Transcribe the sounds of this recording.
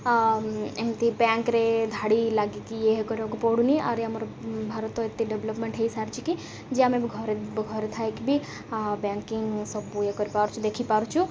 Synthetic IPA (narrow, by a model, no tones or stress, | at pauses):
emt̪ibãːŋkɾed̪ʱaːɽilaɡikijeɦkɔɾokopoɽuniaɾamɾ | bʱaɾət̪ːoɪt̪ːeɖeʋləpmẽɳʈɦeisaɾt͡ʃʰiki | d͡ʒeamẽbiɡʱɔɾɡʱɔɾet̪ʰaekibʱi | baŋkiŋɡsɔbuekɔɾipaɾut͡ʃʰud̪ekʰipaɾut͡ʃʰu